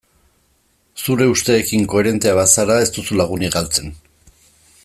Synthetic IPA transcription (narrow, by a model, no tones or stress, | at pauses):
suɾe̞ust̪e̞ːkiŋko̞e̞ɾe̞nt̪e̞aβasaɾae̞st̪usulaɣ̞uniɡalt͡se̞n